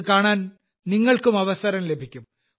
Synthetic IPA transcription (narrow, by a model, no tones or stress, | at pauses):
kaːɳaːn | niŋːɐɭkumɐʋɐsɐɾɐmle̞bʱikʲːum